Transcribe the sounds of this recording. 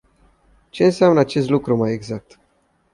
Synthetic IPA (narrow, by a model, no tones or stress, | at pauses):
t͡ʃe̞ɨnseamnəat͡ʃe̞st̪lukɾumaje̞ɡzak̚t̪